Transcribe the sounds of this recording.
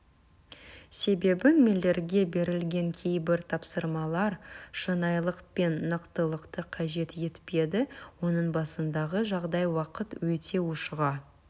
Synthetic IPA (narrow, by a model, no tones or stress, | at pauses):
se̞be̞bɪme̞lːe̞ɾɡʲe̞be̞ɾɪlɡʲe̞ŋkʲʰe̞jbɪɾt̪ʰɑpsəɾmɑlˠɑɾʃənɑjlˠəqpe̞nːəqt̪əlˠəqt̪əqʰɑʒe̞t̪je̞t̪pe̞d̪ɪwo̞nəɴbɑsənd̪ɑʁəʒɑʁd̪ɑjwɑqət̪wɵt̪ʰe̞wʊʃʁɑ